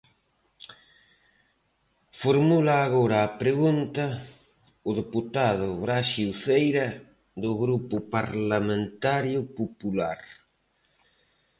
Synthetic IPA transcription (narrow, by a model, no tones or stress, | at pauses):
foɾmulaːɣoɾaːpɾeɣunt̪ɐ | ʊðeput̪aðʊβɾaʃiwθejɾɐ | ðʊɣɾupʊpaɾlamẽnt̪aɾjʊpopulaɾ